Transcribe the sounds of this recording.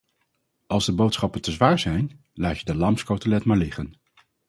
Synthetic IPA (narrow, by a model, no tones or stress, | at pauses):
ʔɑlˠzdəbowtsχɑpəntəzʋaːɹzɛjn | laːcədəlɑmskowtəlɛtmaːɹlɪχən